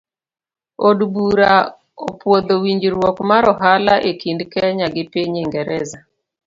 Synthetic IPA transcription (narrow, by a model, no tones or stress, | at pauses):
odbuɾa | opwod̪owiɲd͡ʒɾwɔkmaɾɔɦalaʔekindkɛɲaɡɪpeɲeŋɡɛɾɛza